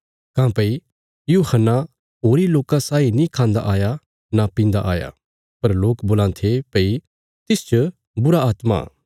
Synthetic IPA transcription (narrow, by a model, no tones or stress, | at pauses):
kãːpɐi | juːhənːa | ɦoːɾiloːkãsaːinĩkʰãːnd̪a̰ʔaːja | napĩːn̆d̪a̰ʔa̰ːja̰ | pɐɾloːkboːlãːt̪ʰepɐi | t̪ɪst͡ʃo | bʊɾaaːt̪ma̰ː